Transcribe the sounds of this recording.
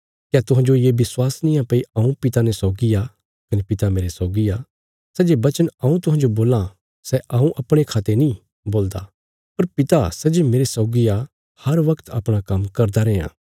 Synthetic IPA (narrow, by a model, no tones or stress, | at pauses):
kjat̪ʊɦãːd͡ʒojebɪswaːsnɪ̃jãpɐiɐũpɪt̪anɛsɔːɡija | kɐnepɪt̪ameːɾesɔːɡija | sɛːd͡ʒebɐt͡ʃənɐũt̪ʊɦãːnd͡ʒoboːla | sɛʔɐ̃ũʔɐpɽ̃ekʰaːt̪enĩ | boːld̪a̰ | pɐɾpɪt̪asɛd͡ʒemeːɾesɐːɡija | hɐɾʋɐkt̪ɐ̰pɽ̃akɐmkɐɾd̪aɾɛːã̰ː